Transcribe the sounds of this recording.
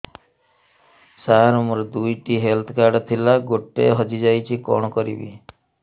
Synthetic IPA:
saɾɔmɔɾɔd̪ujʈiɦelt̪ʰɔkaɾɖɔt̪ʰilaɡoʈːḛɦɔd͡ʒid͡ʒajt͡ʃʰikɔ̰ɳ̃ɔkɔɾḭbḭ

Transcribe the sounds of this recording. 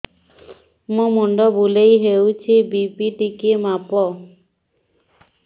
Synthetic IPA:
mũmuɳɖɔbulejɦewt͡ʃʰibipiʈikemapɔ

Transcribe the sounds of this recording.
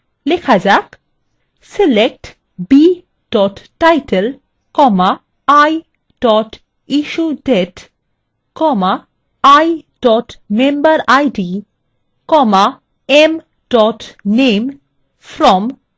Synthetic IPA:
lekʰad͡ʑak | selek̚ʈ | bi | ɖ̥ɔʈːajʈel | kɔma | aj | ɖ̥ɔʈ | iʃudeʈ | kɔmaː | jɖ̥ɔʈmembaɾajɖi | kɔma | em | ɖɔʈnem | fɾɔm

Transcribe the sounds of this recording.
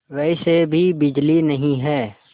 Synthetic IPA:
ʋɛisebʱibɪd͡ʒlinɐɦĩɦɛː

